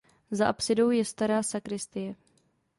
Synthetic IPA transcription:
zaʔapsɪdo̞wjɛst̪aɾaːsakɾɪst̪ɪjɛ

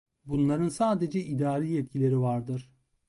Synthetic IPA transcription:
bunlˠaɾɯnsaːd̪e̞d͡ʒɛʔid̪aːɾijɛt̪̚cʰilʲe̞ɾivaɾd̪ɯɾ̥

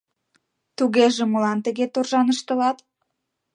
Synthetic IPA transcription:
t̪uɣeʒĕmolɑnt̪ə̆ɣet̪orʒɑnəʃt̪ə̆lɑt̪

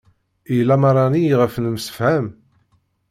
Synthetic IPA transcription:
ilːæmɑɾˤɑniʁəfnəmsə̥fhæm

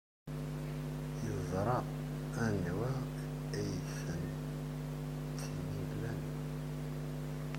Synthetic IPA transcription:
jəzˤɾˤɑ | ænwæ | æjəθfən | t̪ːiniblæn

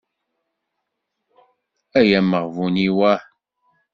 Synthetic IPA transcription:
æjæmːəʁvuniwæ

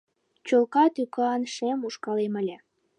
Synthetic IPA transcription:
t͡ɕolkɑt̪ykɑɑnʃemuʃkɑlemə̆lʲĕ

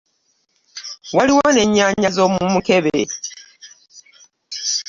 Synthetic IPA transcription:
waliwone̞ɲːaɲːazomumuke̞βe

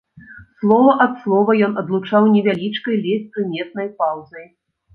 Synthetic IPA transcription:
slˠɔvɐʔɐt̪slˠɔvɐjɔnɐd̪lˠut͡ʂawnʲɛvʲalʲit͡ʂkɐjlʲɛsʲpɾɨmʲɛt̪̚nɐjpawzɐj

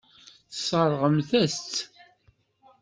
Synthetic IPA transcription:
θə̥sˤəɾˤʁəmθæst͡s̪

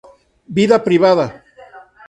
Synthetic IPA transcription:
biðapɾiβaða

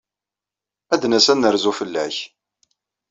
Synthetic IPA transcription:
æd̪næsænːəɾzufəlːæç

